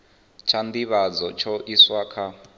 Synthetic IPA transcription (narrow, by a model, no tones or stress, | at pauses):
t͡ʃʰand̪iβad͡zɔt͡ʃʰɔʔiswakʰa